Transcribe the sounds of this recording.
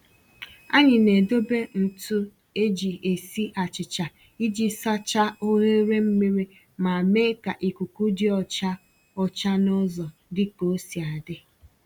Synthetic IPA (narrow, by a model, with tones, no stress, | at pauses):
a̰˦ɲɪ˨ne˨do˦be˦n̩˨tu˦ | e˦d͡ʒi˨ʔe˨si˦ʔa˨t͡ʃɪ˨t͡ʃa˨ | i˦d͡ʒi˦sa˦t͡ʃa˦o˦ɦe˦ɾe˦m̩˦mi˦ɾi˦ | ma˨me˦ka˨ʔi˨kʷu˨ku˦d͡ʒɪ˦ɔ˦t͡ʃa˦ | ɔ˦t͡ʃa˦nʊ˦zɔ˨dɪ˦ko˨˦si˨a˨dɪ˦